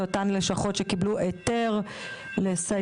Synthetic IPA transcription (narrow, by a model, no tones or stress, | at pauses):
otanleʃaχo̞tʃe̞kibluʔeteʁ | lesa